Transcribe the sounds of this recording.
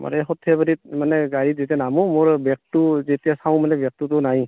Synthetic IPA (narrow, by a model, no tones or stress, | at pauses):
ma̰ɾɛɦɔtʰːebaɾit̚manɛɡaɹit̚zetijanamumʊɹbɛk̚tuzetijasaw̃manɛbjak̚tutunaj